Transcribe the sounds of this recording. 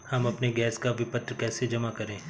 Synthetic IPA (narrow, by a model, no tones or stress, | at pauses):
hɐmɐpneɡɛːskaʋɪpət̪ɾkɛːsed͡ʒɐmakɐɾẽː